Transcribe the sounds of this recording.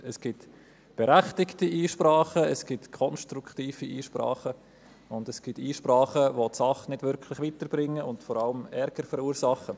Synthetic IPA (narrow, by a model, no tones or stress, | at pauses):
ɛsɡ̥ɪt | b̥ɛɾæχtɪktiiːʃprɑːχəɛsɡ̥ɪtkʰɔnʃtɾukχtiːfiʔiːʃpɾɑ̰ːχə | ʊndɛsɡ̥ɪtiːʃprɑːχəʋotsɑχnɪdvʏɾkʰlɪχʋitəɾb̥ɾɪŋːəʊntfɔɾɑləmɛɾɡ̥əɾfəɾuːɾsɑχə